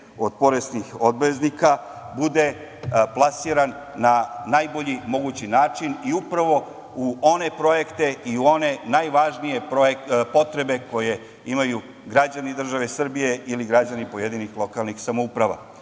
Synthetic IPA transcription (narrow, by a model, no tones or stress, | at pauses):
o̞d̪̚po̞ɾest̪nixo̞d̪beznika | bud̪e̞ | plˠasiɾanː | anajbo̞ʎimo̞ɡut͡ɕinaːt͡ʃiniupɾaʋo̞ | uo̞ne̞pɾo̞je̞kt̪e̞iuo̞ne̞najʋaʒnije̞po̞t̪ɾe̞be̞ko̞je̞ | imaju | ɡɾad͡ʑanid̪r̩ʒaʋe̞sr̩bije̞ʔiliɡɾad͡ʑanipo̞je̞d̪inixlˠo̞kalˠnixsamoupɾaʋa̰